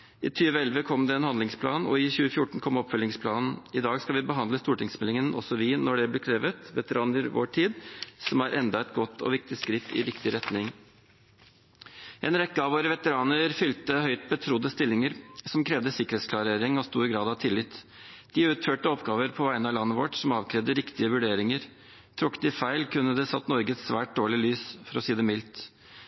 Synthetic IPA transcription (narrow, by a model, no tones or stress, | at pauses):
ɪ̰ːt̪ʰyːʋəɛlʋəkʰɔmd̪ɛɛnhɑnd̪lɪŋspʰlɑːnɔ̰ɪçʉːəfjʊʈɳ̩kʰɔmɔpfœlɪŋspʰlɑːnn̩ɪd̪ɑːɡskɑʋɪbəɦɑnd̪ləst̪uːʈɪŋsmɛlɪŋənʔɔ̰sɔʋɪnɔɖɛblɛkʰɾeːʋət̪ʋɛt̪əɾʔɑːnəɾʋo̰ːʈʰiːd̪sɔmæɾʔɛnd̪ɑɛt̪ɡɔt̪ːɔ̰ʋɪk̚t̪ɪskɾɪt̪ʰːɪ̰ɾɪkt̪ɪɾɛt̪nɪŋ | ʔɛːnɾɛkːəɑʋoːɾəʋɛt̪əɾɑːnəɾfʏlt̪əhœʏt̪̚bət̪ʰɾʊd̪əst̪ɪlːɪŋəɾsɔmkʰɾɛːʋd̪əsɪkəɾhet̪skʰlɑɾeːɾɪŋɔst̪uːɾɪɡɾɑːd̪ɑʋt̪ʰɪlːɪt̪ː | d̪̥ɪʉːt̪føːʈəɔpɡɑːʋəɾpʰɔʋæɪnəɑlɑnːəʋɔʈsɔmɑːʋkʰɾɛːʋd̪əɾɪkt̪ɪəʋʉɖeːɾɪŋəɾ | t̪ʰɾʊkːət̪ɪfæɪlkʰʉnːəd̪ɛsɑt̪nɔɾɡəɛt̪sʋæːʈ̚d̪oːɭɪlyːsfɔɾɔsiːd̪ɛmɪlt̪